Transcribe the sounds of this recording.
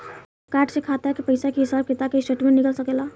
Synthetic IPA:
kaːʈsekʰat̪akepəjsakeɦisaːb̚kit̪akesʈeʈmẽnikəlsəkela

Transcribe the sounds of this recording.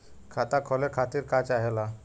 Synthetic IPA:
kʰat̪akʰɔlekʰat̪iɾkat͡ʃaɦɛla

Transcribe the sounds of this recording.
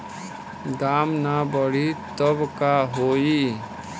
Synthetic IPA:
d̪aːmnabəɽit̪əbkaɦoːi

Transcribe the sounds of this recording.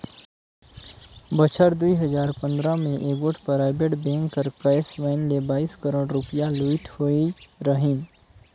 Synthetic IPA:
bət͡ʃʰəɾd̪uiɦəzaːɾpə̃nd̪ɾamẽʔeːɡoːʈpəɾaːɪbeʈbɛ̃ːŋkːəɾkəjsʋɛɪnlebaːiskəɾoːɽɾʊpijaluiʈhoiɾəɦĩn

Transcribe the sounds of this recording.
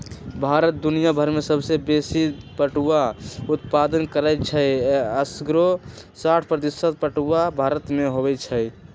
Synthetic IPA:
bʱaɾət̪̚d̪unijabʱəɾmesəbsebesipəʈuaut̪̚pad̪ənkəɾət͡ʃʰəjəsɡɾosaʈʰpɾət̪isət̪̚pəʈuabʱaɾət̪meɦobɛt͡ʃʰəj

